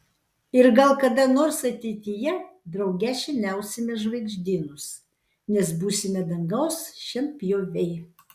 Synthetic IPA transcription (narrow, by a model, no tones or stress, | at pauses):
ɪɾɡɐlˠkɐd̪ɐnoːɾsɐt̪ʲɛɪt̪ʲɪjɛd̪ɾɐʊɡʲæʃʲɛnʲæˑʊsʲɪmʲɛʒʋɐɪɡʒʲd̪ʲiːnʊs | nʲɛsbuːsʲɪmʲɛd̪ɐŋɡɐʊsʃʲɛmpʲjoːʋʲɛɪ